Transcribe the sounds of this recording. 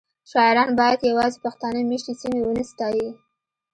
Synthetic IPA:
ʃɑɪɾɑnbɑjad̪jawɑzepaxt̪ɑnəmeʃt̪esimewənəst̪ɑji

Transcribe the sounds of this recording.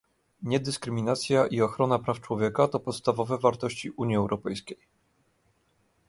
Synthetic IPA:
ɲɛd̪ɘskɾɘmʲinat̪sʲjaʔiɔxɾɔnapɾaft͡ʂwɔvʲjɛkat̪ɔpɔt̪st̪avɔvɛvaɾt̪ɔɕt͡ɕiʔuɲiɛwɾʔɔpɛjskʲej

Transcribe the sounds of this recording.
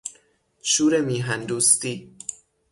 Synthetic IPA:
ʃuːɾemiːɦænd̪uːst̪iː

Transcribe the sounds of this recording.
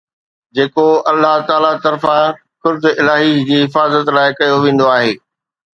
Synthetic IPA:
d͡ʑeːkoɐlːaɦt̪aːlat̪ɐɾfã | kʊɾzɪlaːɦid͡ʑiːɦɪfaːzət̪laːɪkɐjoʋẽːn̆d̪oaːɦeː

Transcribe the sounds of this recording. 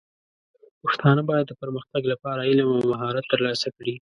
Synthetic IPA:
pəxt̪ɑnəbɑjad̪ːəpəɾməxt̪aɡlapɑɾaɪlamawmaɦɑɾat̪ːəɾlɑsakɽi

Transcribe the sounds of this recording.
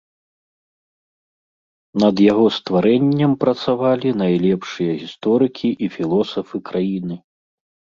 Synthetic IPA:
nɐd̪jaɣɔst̪vaɾɛnʲːɛmpɾɐt̪savalʲinajlʲɛpʂɨjɐɣʲist̪ɔɾɨkʲʰiʔifʲilˠɔsɐfɨkɾajinɨ

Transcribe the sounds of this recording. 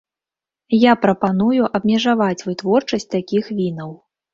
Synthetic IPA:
japɾɐpanujuʔɐbmʲɛʐavat͡sʲvɨt̪vɔrt͡ʂɐsʲt͡sʲt̪akʲixvʲinɐw

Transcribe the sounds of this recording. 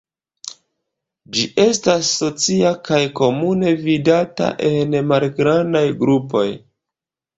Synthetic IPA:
d͡ʒiʔe̞stasːo̞t͡siakajko̞mune̞vidata̰ʔe̞nmalɡɾandajɡɾupo̞j

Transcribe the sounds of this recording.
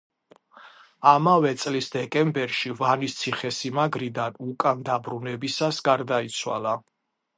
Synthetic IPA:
amavɛt̪sʼlisd̪ɛkʼɛmbɛɾʃivanist̪sʰiχɛsimaɡɾid̪anukʼand̪abɾunɛbisasɡaɾd̪ait̪sʰwa̰la

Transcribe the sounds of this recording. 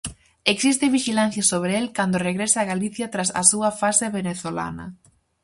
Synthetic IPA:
eksist̪ɪβiʃilanθjɐsoβ̞ɾeelkand̪oreɣɾesaːɣaliθjɐt̪ɾasɐ̰suɐfaseβeneθola̰nɐ̰

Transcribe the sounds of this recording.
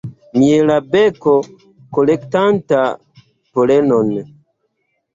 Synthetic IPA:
mielabeko | kolektanta | polenon

